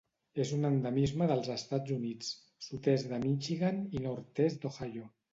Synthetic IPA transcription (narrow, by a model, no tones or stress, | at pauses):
ezunənd̪əmizməðəlˠzəst̪ad͡zunit͡s | sut̪ɛzðəmit͡ʃiɣaninoɾt̪ɛzd̪oxaʎo